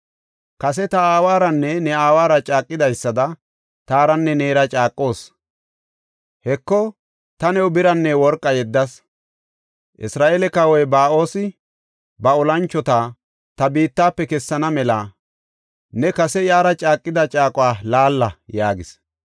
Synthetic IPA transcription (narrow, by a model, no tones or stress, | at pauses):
kɐsɛt̪ɐaːwaːɾɐnːɛnɛaːwaːɾɐt͡ʃʼaːkʼːɪd̪ɐjsːɐd̪ɐ | t̪aːɾɐnːɛneːɾɐt͡ʃʼaːkʼːo̞ːs | hɛkːɔ | t̪ɐnɛwʊbɪɾɐnːɛwɔɾkʼːɐjɛd̪ːɐs | ʔɪ̰sɾaːʔeːlɛkɐwɔjbaːo̞ːsɪ | bɐɔlɐnt͡ʃːɔt̪aː | t̪ɐbiːt̪ːaːpːɛkɛsːɐnɐmɛlɐ | nɛkɐsɛjaːɾɐt͡ʃʼaːkʼːɪd̪ɐt͡ʃʼaːkʼʊwaːlaːlːɐjaːɡɪs